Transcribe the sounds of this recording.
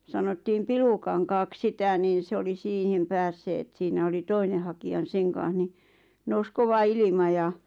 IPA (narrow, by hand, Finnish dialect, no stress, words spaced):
sɑnotːiːm pilukɑŋkɑːk sitɑˑ niːn̞ se oli siːhim pæːsːeːt siːnæ oli toine hɑkiɑ n seŋ kɑːɑ̃h̆ ni nous koʋɑ ilimɑ jɑ